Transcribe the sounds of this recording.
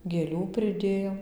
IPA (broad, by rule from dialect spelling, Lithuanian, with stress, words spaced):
ɡʲeːˈlʲuː pʲrʲɪˈdʲeːjoːm